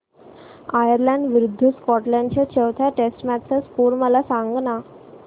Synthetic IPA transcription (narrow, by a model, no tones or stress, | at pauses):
ajəɾlãɳɖʋɾud̪ʱːəskɔʈlãɳɖt͡ɕjat͡ɕəʋt̪ʰjaʈesʈmæt̪sə̃skuɾməlasãŋɡna